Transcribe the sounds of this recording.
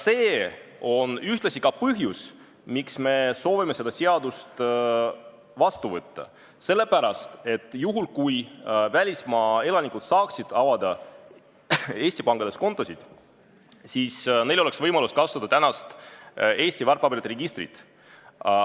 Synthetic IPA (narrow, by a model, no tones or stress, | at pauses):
se̞ːo̞nyht̪lɑsʲikɑpɤɦjus | miksme̞so̞ːvime̞se̞d̪̥ɑse̞ɑd̪ust̪ | vɑst̪uvɤt̪ːɑ̰ | se̞lːe̞pæɾɑst̪e̞t̪ːˑjuɦulkujvælʲismɑːe̞lɑnikut̪sɑːksid̪̥ɑvɑd̪̥ɑ | e̞ːsʲt̪ipɑŋɡ̥ɑd̪e̞sko̞nt̪ːˑo̞sid̪̥ | siːsne̞jlo̞le̞ksvɤjmɑluskɑst̪ud̪ɑt̪ænɑst̪e̞ːsʲt̪ivɑrpːɑbiɾt̪reɡist̪rḭt̪ˑ